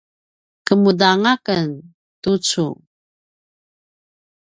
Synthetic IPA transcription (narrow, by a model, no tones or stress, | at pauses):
kəmudaŋakən | tut͡sṵ